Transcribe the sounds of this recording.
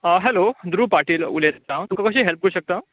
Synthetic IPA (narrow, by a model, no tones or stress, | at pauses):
əɦɛlod̪ɾuːpaɾʈiːlṵleɾet̪ãt̪ukakəɕ̬ĩɦɛlp̚kəɾuɕək̚t̪a